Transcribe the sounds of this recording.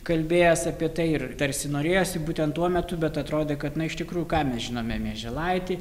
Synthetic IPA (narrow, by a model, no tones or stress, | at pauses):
kɐlʲbʲeːjɛsɐpʲiɛt̪ɐɪɪrt̪ɐɾʲsʲɪnoːɾʲeːjoːsʲɪbuːt̪ʲɛnt̪uɔmʲɛt̪ʊbʲɛt̪ɐt̪ɾoːd̪ʲeːkɐt̪nɐɪʃt̪ʲɪkɾuːjʊkɑːmʲɛsʒʲɪnoːmʲɛmʲiɛʒʲɛlˠɐɪt̪ʲiː